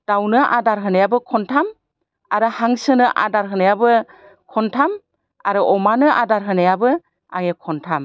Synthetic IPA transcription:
d̥awnɯʔa̰daɾɦɯnajabɯkʰɔntʰam | aɾɯhaŋsɯnɯʔa̰daɾɦɯnajabɯ | kʰɔntʰam | aɾɯʔɔmanɯʔadaɾɦɯnajabɯ | a̰ŋekʰɔntʰam

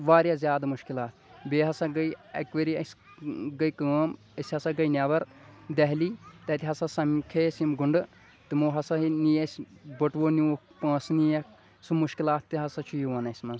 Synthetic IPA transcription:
ʋaːɾjaːzʲjaːd̪muʃkilaːt̪̚ʰbeːɦɐsɐɡɐjɐ̰kʋɐɾiɐsʲ | ɡɐjkəːm | ɐsʲhɐsɐɡɐjnʲaʋɐɾ | d̪ɐɦliːt̪ɐt̪ʲiɦɐsɐsɐmkʰeːsimɡuɳɖɨ | t̪ɨmoːɦɐsɐɦinijɐsʲbɐʈʋoniokpɐ̃ːsnijɐk | sumuʃkilaːt̪t̪ɨɦɐsɐt͡ʃʰujiʋɐnɐsʲmɐns

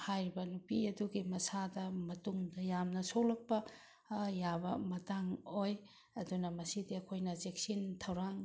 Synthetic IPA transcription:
hajɾibɐnupiɐduɡimɐsadɐmɐtuŋdɐjamnɐsowlɐk̚pɐ | jabɐmɐtaŋoj | ɐdunɐmɐsidiɐkʰojnɐzek̚sintʰɐwɾaŋ

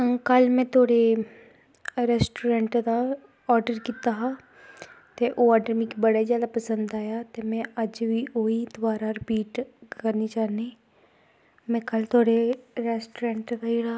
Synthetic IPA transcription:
kəlmɛ̃t̪ʰoːɽe | ɾɛːsʈuɾẽːɳʈd̪aː | ɔːɾɖəɾkit̪aːɦaː | t̪eʔoːɔːɖəɾmĩkibəɽazjaːd̪apəsə̃nd̪aːjaːt̪emɛ̃ːəd͡ʒʋiːʔoid̪ʊʋaːɾaɾɪpiːʈkkəɾnit͡ʃaːneː | mɛ̃ːkəlt̪ʰoːɽeɾɛːsʈuɾẽːɳʈɡaiɽaː

